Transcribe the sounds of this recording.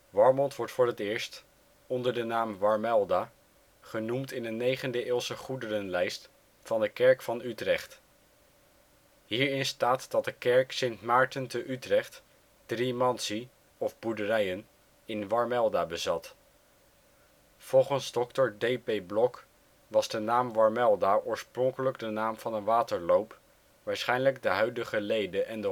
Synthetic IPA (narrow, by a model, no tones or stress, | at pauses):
ʋɑɹmɔntʋɔɹtfʊːɹətɪːɹst | ɔndəɹdənaːmʋɑɹmɛlˠdaː | χənumtɪnənːejχəndəʔɪːlˠsəχudərənlɛjst | fɑndəkɛɹkfɑnytrɛχt | ɦiːɹɪnstaːtd̥ɑt̚dəkɛɹksɪntmaːɹtəntəʔytrɛχt | d̥rimɑnsi | ɔvbudərɛjən | ɪnʋɑɹmɛlˠdaːbəzɑt | fɔlˠχənzdɔktəɹdejpejblɔk | ʋɑzdənaːmʋɑɹmɛlˠdaːʔʊːɹsprɔŋkələɡdənaːmv̥ɑnənʋaːtəɹlowp | ʋaːɹsχɛjnləɡdəɦœɥdəχəlejdəʔɛndə